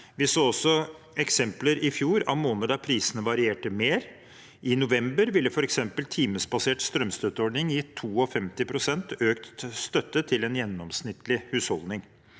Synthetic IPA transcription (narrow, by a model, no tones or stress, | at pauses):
ʋɪsoːɔsːɔ | ɛksɛmpləɾɪfjuːɾɑ̰ʋmoːnəd̪əpʰɾiːsənəʋɑɾɪeːʈəmeːɾ | ʔɪnʊʋɛmbəɾʋɪlːəfɔɾɛksɛmpəlt̪ʰiːməsbɑseːʈst̪ɾœmst̪œt̪ːəɔɖnɪŋjiːt̪ʰuːɔfɛmt̪ɪpʰɾʊsɛnt̪ʰøːkt̪st̪œt̪ːət̪ʰɪlɛnjɛnːɔmsnɪt̪ːlɪhʉːshɔld̪nɪŋ